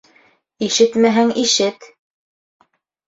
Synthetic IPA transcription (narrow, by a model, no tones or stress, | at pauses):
iʃɘt̪mæɦæŋiʃɘt̪